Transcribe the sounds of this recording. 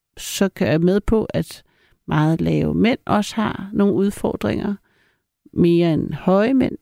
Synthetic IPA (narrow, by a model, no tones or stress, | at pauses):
sɒ̽kʰæjameð̞ˠpʰɒ̽ʔæd̥ | mɑ̈ːð̞̩ˠlɛːʊmen̰ɒ̽sə̥hɑ̈no̝ːn̩uð̞ˠfɒːd̥ʁeŋɐ | me̝ːɐenhɒ̽ɪmen̰